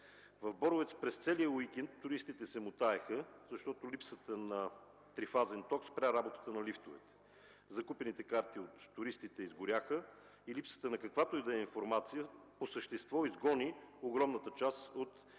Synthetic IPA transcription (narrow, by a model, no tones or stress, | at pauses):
vɐvbɔɾʊvɛt̪spɾɛst̪sɛlijəwik̟ɛnt̪ːʊɾist̪it̪ɛsɛmʊt̪aɛxəzɐʃt̪ɔt̪olipsət̪ənɐ | t̪ɾifazɛnt̪ɔkspɾʲaɾabot̪ə̥t̪ənɐlift̪ovɛ̰t̪ɛ̥ | zɐkupɛnit̪ɛkaɾt̪iot̪ːʊɾist̪it̪ɛizɡʊɾʲaxə | ilipsə̥t̪ənɐkɐkvat̪oid̪ɐɛinfoɾmat̪sijəposəʃt̪ɛst̪vɔizɡɔnioɡɾɔmnət̪ət͡ʃasot̪